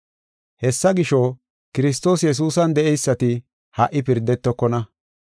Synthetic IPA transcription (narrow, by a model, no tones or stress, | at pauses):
hɛsːɐɡɪʃɔ | kɪɾɪs̬t̪o̞ːsjɛs̬uːsɐnd̪ɛʔɛjsːɐt̪ɪ | hɐʔɪpɪɾd̪ɛt̪ːɔkːɔnɐ